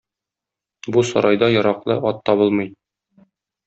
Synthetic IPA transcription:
busɒ̰ɾɑjd̪ɑjɒɾɑqlˠɤʔɒt̪ːɒbɤlˠmɤj

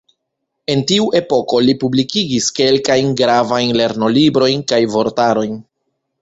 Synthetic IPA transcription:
e̞ntiuʔe̞po̞ko̞lipublikiɡiske̞lkajnɡɾavajnle̞ɾno̞libɾo̞jnkajvo̞ɾtaɾo̞jn

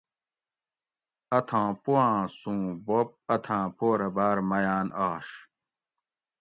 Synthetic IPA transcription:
ɐt̪ʰãːpuwãːsũːbop̚ɐt̪ʰãːpoːɾɐbaːɾmɐjaːnaːɕ

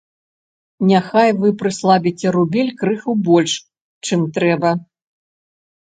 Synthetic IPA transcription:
nʲaxajvɨpɾɨslˠabʲit͡sʲɛɾubʲɛlʲkɾɨxubɔlʲʂ | t͡ʂɨmt̪ɾɛbɐ

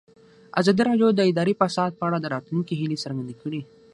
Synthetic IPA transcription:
a̰zɑd̪iɾɑd̪jod̪əɪd̪ɑɾipasɑd̪̚pəaɽad̪əɾɑt̪luŋkiɦilisaɾɡand̪ekəɽi

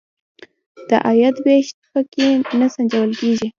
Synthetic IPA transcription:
d̪̥əʔajat̪beʃtpəkenasand͡ʒawəlkeʒi

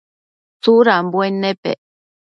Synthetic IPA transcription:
t͡suɾambwenepḛ

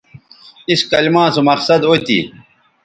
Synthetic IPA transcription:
iskɐlimãːsumɐqsɐd̪ot̪ḭː

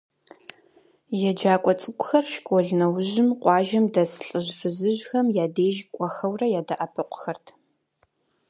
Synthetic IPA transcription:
jɛd͡ʒaːkʷʼɔt͡sʼɨkʷʼʊxɐrʃkʷʼɔɮnɐwʑɪmqʷʼɑːʒɐmdɐsɨ̥ɬʼɨʑfɨzɨʑxɐmjaːdeːʒkʷʼɔxɐwrɐjaːdɐʔɐpʰɨqʷʊ̥xɐrtʰ

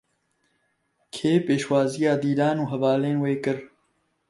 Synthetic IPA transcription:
kʰeːpeːʃwaːzijaːd̪iːɾaːnuːɦɐvaːleːnweːkɨɾ

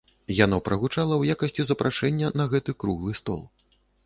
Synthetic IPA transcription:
janɔpɾɐɣut͡ʂalˠɐwjakɐsʲt͡sʲizɐpɾʔaʂɛnʲːɐnɐɣɛt̪ɨkɾuɣlˠɨst̪ɔ̰lˠ

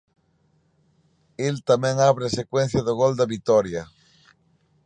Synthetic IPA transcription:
elt̪amẽŋaβɾesekwẽn̟θjaðoɣold̪aβit̪oɾja

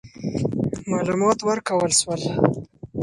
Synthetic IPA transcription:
mɑlumɑt̪wəɾkawəlʃwəl

